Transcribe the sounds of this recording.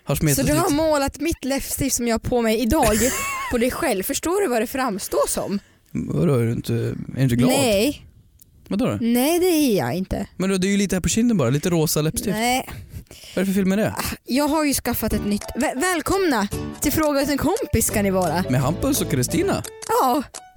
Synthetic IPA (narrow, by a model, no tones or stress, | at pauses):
haʂmɛsɔd̪ɵhaɾmoːlat̪mɪt̪ːlɛfst̪ɪfsɔmjɑːapʰɔmɛjɪd̪ɑːɡpʰɔd̪ɛjɧɛlvfœʂʈoːɾɵvaɖɛfɾamːst̪oːʂɔ̰m | a̰ɾoɾɖɪ̰nt̪ʰəɛɾɪnt̪əɡlɑːdɛ | vad̪oːdɛ̰nɛjd̪ɛæjɑ̰ɪnt̪ə̰mɛnd̪od̪ɛːɾjʏliːt̪əhæːpɔɕɪnd̪ənbɑːɾaliːt̪əɾoːsalɛpst̪ɪɛː | vaɾfəɾfɪlmɛd̪ɛ̰jɑːɡɦaɾjɵskafːat̪ɛt̪nʏt̪ːvɛvɛːlkʰɔmnat̪ʰɪlfɾoːɡat̪ɛnkʰɔmpɪskʰanːɪvɑːɾamɛɦampɵnsɔkʰːɾɪst̪iːna̰ɑː